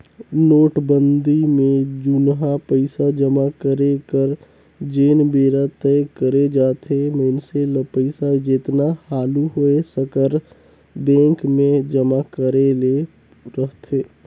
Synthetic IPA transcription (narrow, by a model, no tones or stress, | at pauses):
noːʈbə̃nd̪imẽd͡ʒʊnɦapəɪsad͡ʒəmakəɾekəɾ | d͡ʒeːnbeːɾat̪əekəɾed͡ʒaːt̪ʰeməɪnseləpəɪsad͡ʒeːt̪nahaːluɦoesəkəɾ | bẽːŋkmẽd͡ʒəmakəɾele | ɾəɦt̪ʰeː